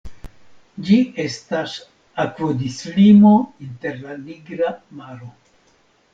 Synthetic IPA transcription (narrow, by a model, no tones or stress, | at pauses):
d͡ʒie̞stas | akvodislimo̞inte̞ɾlaniɡɾamaɾo̞